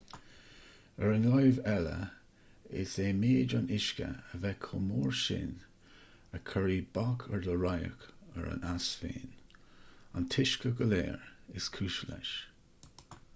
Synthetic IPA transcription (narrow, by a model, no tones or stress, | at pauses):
əɹənlɔjvɛlə̰ | ɪseːmeːd͡ʒanɪʃkə̰əvɛkʰʊmuːɹʃɪ̰n | əkʰəɹiːbɔkʰəɹdəɹajə̰kəɹa̰nasfḛːn | antʰɪʃkəɡəleːɹɪskʰuːʃəlɛ̰ʃ